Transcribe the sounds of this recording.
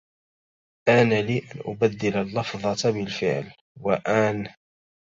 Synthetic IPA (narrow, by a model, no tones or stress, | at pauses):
ʔanaliːʔænʔʊbæd̪ːɪlalːɑfðˤɑt̪bɪlfɪ̰ʕl | waʔæn